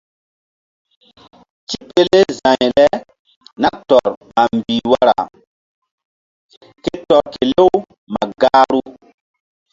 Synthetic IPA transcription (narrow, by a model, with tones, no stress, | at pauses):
ti˦pe˦le˦zã˨jlɛ˦ | na˦tɔ˨ɾma˨mbiː˨wa˦ɾa̰˨ | ke˦tɔ˨ɾke˨le˦w | ma˨ɡa˦ɾu˦